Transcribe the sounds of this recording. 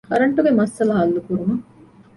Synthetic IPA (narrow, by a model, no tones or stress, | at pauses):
kɐɾɐɳʈuɡemɐsːɐlɐɦɐlːukuɾumɐ